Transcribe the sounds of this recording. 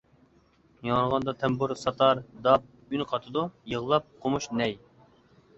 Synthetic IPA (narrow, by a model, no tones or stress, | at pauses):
jɑŋɾʁɑnd̪ɑt̪ʰɛmbuɾsɑt̪ʰɑɾd̪ɑp̚ | ynqʰɑt̪ʰɨd̪ujəʁlˠɑp̚qʰomuʃnɛj